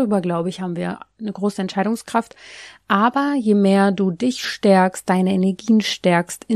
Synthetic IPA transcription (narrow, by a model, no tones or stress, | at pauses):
yːbɐɡlaʊbəɪçhaːbm̩viːɐnəɡʁoːsəɛntʃaɪɾʊŋskʁ̥aftʔaːbɐjeːmeːɐduːdɪçʃtɛɐkst̚d̥aɪnəɛnɛɐɡiːənʃtɛɐkstɪ